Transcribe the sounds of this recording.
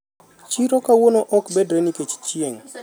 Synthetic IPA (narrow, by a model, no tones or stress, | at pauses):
t͡ʃiɾokawonoʔɔkbɛdɾeniket͡ʃt͡ʃieŋ